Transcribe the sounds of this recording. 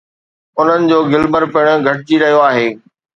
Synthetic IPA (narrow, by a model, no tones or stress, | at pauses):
ʊn̤ənɪ̆d͡ʑoːɡɪlbəɾpɪɽ̃̆ɡʱɐʈɪt͡ɕiɾɐɦijoaːɦeː